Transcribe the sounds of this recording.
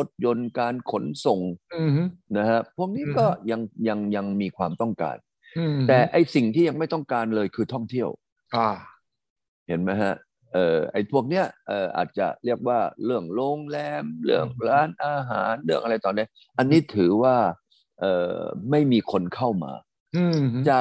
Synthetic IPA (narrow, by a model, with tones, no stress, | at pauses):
lo˦˥t̪̚jo˧nkaː˧nkʰo˨˩˦nso˨˩ŋ˧ | na˦˥kʰa˦˥pʰu˥˩ək̚niː˦˥kɔː˥˩ja˧ŋja˧ŋja˧ŋmiː˧kʰwaː˧mt̪ɔ˥˩ŋka̰ː˧n | t̪ɛː˨˩ʔa˧jsi˨˩ŋt̪ʰiː˥˩ja˧ŋma˥˩jt̪ɔ˥˩ŋkaː˧nlɤː˧jkʰɯː˧t̪ʰɔ˥˩ŋt̪ʰi˥˩əw | kʰa˧˩ | he˩˦nma˦˥jɦa˦˥ʔ | ʔɤː˨˩ʔa˧˩jt̪ʰu˥˩ək̚ni˦˥ɐʔɤː˨˩ʔa̰ː˨˩t̪̚t͡ɕa̰˨˩ɾi˥˩ək̚waː˥˩ɾɯ˥˩əŋloː˧ŋlɛː˧mlɯ˥˩əŋɾaː˦˥nʔaː˧ɦa̰ː˩˦nlɯ˥˩əŋʔa˧ɾa˧jt̪ɔː˧nːi˦˥ə | ʔa˧nːiː˦˥t̪ʰɯː˩˦waː˥˩ | ʔɤː˨˩ma˥˩jmiː˧kʰo˧nkʰa˥˩wma̰ː˧ | t͡ɕaː˨˩